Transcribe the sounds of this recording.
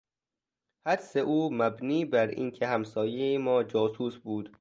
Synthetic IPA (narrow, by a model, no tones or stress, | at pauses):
hæd̪seʔuːmæbniːbæɾʔḭːncʰehæmsɒːjejemɒːd͡ʒɒːsuːsbuːd̪̥